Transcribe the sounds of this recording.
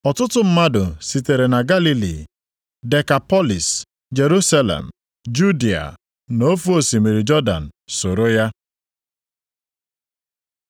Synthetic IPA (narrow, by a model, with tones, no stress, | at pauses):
ɔ˨tʊ˦tʊ˦m̩˦ma˦dʊ˨si˨te˨ɾe˨na˨ɡa˦li˦lḭ˨ | de˨ka˨pɔ˦li˨s | d͡ʒe˨ɾu˦sa˦lḛ˨m̩˨ | d͡ʒu˦di˨a̰˨ | no˦fu˦o˨si˨mi˨ɾi˨d͡ʒɔ˦da̰˨n̩˨so˨ɾo˦ja˦